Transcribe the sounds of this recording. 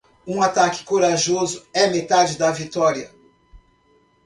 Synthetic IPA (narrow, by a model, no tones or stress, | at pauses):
ũat̪akɪ̥koɾaʒozʊɛmet̪ad͡ʒɪd̪ɐvit̪ɔɾiɐ